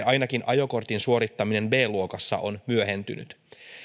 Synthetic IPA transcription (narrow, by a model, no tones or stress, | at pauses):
ɑjnɑkinʔɑjo̞ko̞rt̪insuo̞ɾit̪ːɑmine̞nbe̞ːluo̞kɑsːɑ̰ʔo̞nmyøɦe̞nt̪y̰ny̰t̪